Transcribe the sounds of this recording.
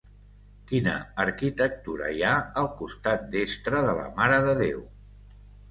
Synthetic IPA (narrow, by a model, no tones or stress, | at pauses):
kinə̰ːɾkit̪ək̚t̪uɾə̰jaəlˠkust̪at̪̚d̪est̪ɾəðələ̰maɾəðəðew